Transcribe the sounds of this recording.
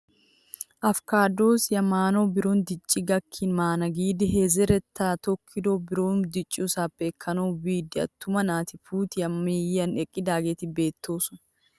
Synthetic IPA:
ʔɐfkaːd̪oːsjɐmaːnoːbɪɾoːnd̪ɪt͡ʃʼːɪɡɐkʰːɪnmaːnɐɡiːd̪ɪɦeːzɛɾɛt̪ːaːt̪ɔkʰːɪd̪oːbɪɾoːnd̪ɪt͡ʃʼːɪʊsaːbeːkʰːɐnoːbiːd̪ɪɐ̰t̪ːʊmɐnaːt̪ɪfuːt̪ɪjɐmːiːjɐnɛkʼːɪd̪aːɡeːt̪ɪbe̞ːt̪ʰːoːsʊn

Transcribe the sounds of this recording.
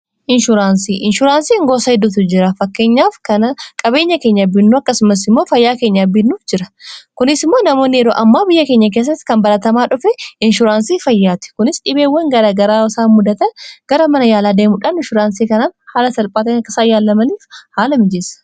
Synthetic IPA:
ʔɪnʃʊɾaːnsiːʔɪnʃʊɾaːnsiːŋɡo̞ːsɐhɪd̪ːʊt̪̬ɪd͡ʒɪɾɐfɐkːe̞ːɲːaːfkɐnɐkʼɐbe̞ːɲːɐke̞ːɲːɐbɪnːuːɐkːɐsʊmɐs̬ɪmːo̞ːfɐjːaːke̞ːɲːɐbɪnːuːfd͡ʒɪɾɐ̥kʊnɪsɪmːo̞ːnɐmo̞ːnːɪjɛɾo̰ːʔɐmːaːbɪjːɐke̞ːɲːɐk̬eːs̬ːɐt̪ːɪ̥kɐmbɐlɐt̪ɐmaːᶑʊfɛɪnʃʊɾaːnsiːfɐjːaːt̪ɪ̥kʊnɪsᶑɪbeːwːɐŋɡɐɾaːɡɐɾaːɪsaːmʊd̪ɐt̪ɐɡ̥ɐɾɐmɐnɐjaːlaːd̪e̞ːmʊᶑɐnɪnʃʊɾaːnsiːkɐnaːnhaːlɐsɐlpʼaːt̪ɐnɐkːɐsaːjaːlːɐmɐniːfhaːlɐmɪd͡ʒeːsɐ̥

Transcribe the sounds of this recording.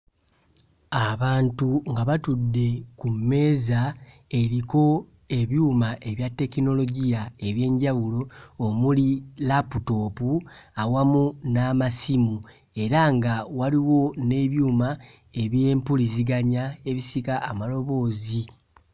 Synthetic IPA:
aβaːntuŋɡaβatudːe̞kumːe̞ːza | e̞ɾiko̞ | e̞βjuːmaʔe̞βjatːe̞kino̞lo̞ɟijae̞βje̞ːɲɟawulo̞ːmulilaputo̞ːpuawamunamasimu | e̞ɾaŋɡawaliwo̞ne̞βjuːma | e̞βje̞ːmpuliziɡaɲae̞βisikaʔːmalo̞βo̞ːzi

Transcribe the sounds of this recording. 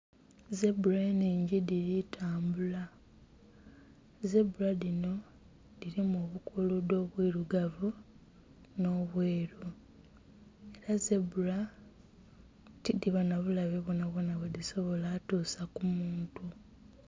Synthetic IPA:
ze̞buɾaeniːɲɟiðiɾitʰaːmbula | ze̞buɾaðino̞ | ðiɾimoːβukʰuludo̞ːβwiːɾuɡavu | no̞βweːɾu | e̞ɾazebuɾa | tidiβanaβulaβeβonaβonaβweðiso̞βo̞laːtuːsakumuːntu

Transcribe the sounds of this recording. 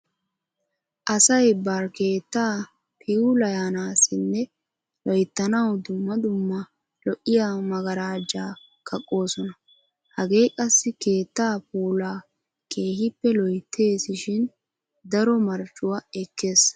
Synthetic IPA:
ʔɐsɐjbaːɾke̞ːt̪ːaː | pʰɪulɐjaːnaːsɪnːɛ | lɔjt̪ːɐnɐwd̪ʊmːɐd̪ʊmːɐ | lɔʔɪjamɐɡɐɾaːd͡ʒaː | kʰɐkʼːo̞ːsɔnɐ | hɐɡe̞ːkʼɐsːɪke̞ːt̪ːaːpuːlaː | kʰe̞ːhɪpːɛlɔjt̪ʰːe̞ːsɪʃɪn | d̪ɐɾɔmɐɾt͡ʃːʊwaɛkːeːs

